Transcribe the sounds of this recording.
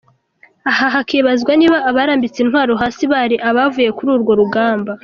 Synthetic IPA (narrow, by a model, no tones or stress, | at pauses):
ahaɦakeːβazɡwaniːβaʔːβaːɾaːmbit͡sinhwaːɾo̞ɦaːsiβaɾiʔaβavuje̞kuɾuːɾɡo̞ɾuɡaːmba